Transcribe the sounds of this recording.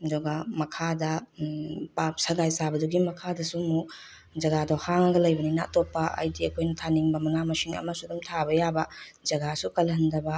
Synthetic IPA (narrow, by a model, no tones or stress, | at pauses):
ɐdɔɡɐmɐkʰadɐ | pap̚sɐɡajsabɐduɡimɐkʰadɐsumu | d͡ʒɐɡadɔhaŋɐɡɐlɐjbɐnina̰topːɐɐ̰jdiɐkʰojnɐtʰaniŋbɐmɐŋamɐsiŋɐ̰mɐsudumtʰabɐjabɐd͡ʒɐɡasukɐlɐndɐbɐ